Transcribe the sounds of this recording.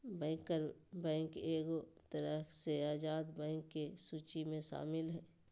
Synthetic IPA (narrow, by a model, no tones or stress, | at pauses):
bɛ̃ːkəɾbɛ̃ːŋkeːɡot̪əɾəseaːd͡ʒaːd̪bɛ̃ːŋkːesuːt͡ʃimẽʃa̰ːmɪlɦɛː